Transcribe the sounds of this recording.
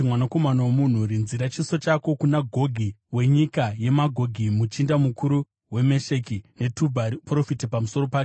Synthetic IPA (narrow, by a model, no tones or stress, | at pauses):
mwanako̞manawomun̤uɾinziɾat͡ʃiso̞t͡ʃako̞kunaɡʱo̞ɡʱiwe̞ɲikaje̞maɡʱo̞ɡʱimut͡ʃindamukuɾu | we̞me̞ʃekine̞tubʱapro̞fitipamuso̞ɾo̞paːe